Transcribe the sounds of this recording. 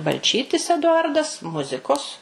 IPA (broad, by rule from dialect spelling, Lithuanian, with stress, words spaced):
bɐlʲˈt͡ʃʲiːtʲɪs ɛdʊˈɐrdɐs ˈmʊzʲɪkoːs